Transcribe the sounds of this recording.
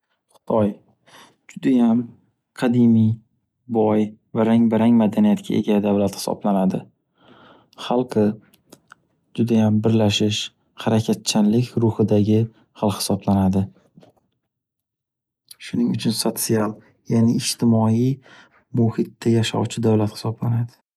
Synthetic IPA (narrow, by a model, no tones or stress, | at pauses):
χʊ̥t̪ʰɒj | d͡ʒʊd̪ajam | qʰɑd̪ɪmij | bɒjvaɾaŋbaɾaŋmad̪anijat̪kʲʰa̰ʔe̞̰ɡʲad̪avlat̪hɪ̥sɒ̰blanad̪ɪ | χɑlˠqʰɨ | d͡ʒʊd̪ajambɪɾlaʃɪʃ | haɾakʲʰat̪̚t͡ʃʰanlɪkʲɾʊhɪd̪aɡʲɪ | hɑlˠhɪ̥sɒblanad̪ɪ | ʃʊnɪŋʊt͡ʃʰʊnsot̪sialˠ | janɪɪʃt̪ʰɪmɒi | mʊhɪt̪ːajaʃa̰wt͡ʃʰɪd̪awlat̪hɪ̥sɒblanad̪ɪ̥